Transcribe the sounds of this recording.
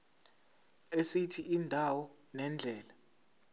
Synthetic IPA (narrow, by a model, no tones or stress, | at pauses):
esitʰiiːndʱawɔ | nɛnd͡ɮʱɛːla